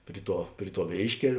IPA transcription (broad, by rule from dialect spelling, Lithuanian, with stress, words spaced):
ˈpʲrʲɪ ˌtuɔ ˈpʲrʲɪ ˌtuɔ ˈʋʲeːɪʃʲkʲɛlʲ